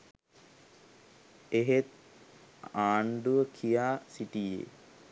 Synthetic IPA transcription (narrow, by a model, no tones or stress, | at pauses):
eɦet̪̚ | aːɳɖuʋəkʰijaːsiʈijḛ